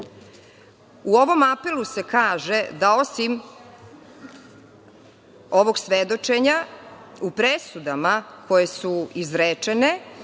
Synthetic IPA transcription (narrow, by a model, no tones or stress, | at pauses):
uo̞ʋo̞mape̞luse̞kaːʒe̞d̪ao̞sim | o̞ʋo̞ɡsʋed̪o̞t͡ʃeɲaupɾesud̪amako̞je̞suizɾet͡ʂene̞